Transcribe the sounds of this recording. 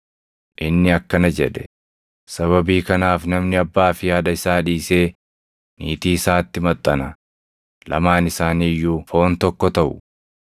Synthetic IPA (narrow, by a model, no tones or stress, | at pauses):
ʔɪnːɪɐkːɐnɐd͡ʒɛᶑɛ̥ | sɐβɐbiːkɐnaːfnɐmnɪɐbːaːfɪjaːd̪ɐɪsaːᶑiːse̞ː | niːt̪iːsaːt̪ːɪmɐt̪ʼːɐnɐ | lɐ̰maːnɪsaːniːjːuːfo̞ːnt̪ɔkːɔt̪ɐʔʊ